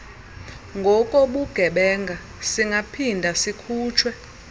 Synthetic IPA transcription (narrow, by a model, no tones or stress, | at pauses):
ŋɡʱɔkʼɔɓuɡ̥ʱɛɓɛŋɡʱa | siŋɡʱapʰindʱasikʰuːt͡ʃʰwɛ